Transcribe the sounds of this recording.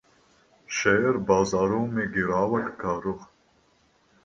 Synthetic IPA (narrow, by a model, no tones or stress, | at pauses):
ɕeɾbaːzaːɾumeɡiɾaːwɐʈkaːɾʊx